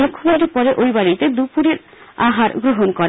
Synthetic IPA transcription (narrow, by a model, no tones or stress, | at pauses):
lokʰːobaɾeɾpɔɾeʔojbaɾit̪ed̪upuɾeɾ | aɦaɾɡɾoɦonkoɾ